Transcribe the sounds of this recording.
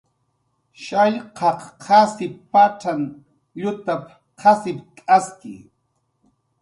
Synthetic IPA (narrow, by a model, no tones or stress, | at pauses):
ʃaʎqɑqqʰasɪppaʈ͡ʂaŋ | ʎʊt̪ap | qʰasɪpkʼaskɪ̰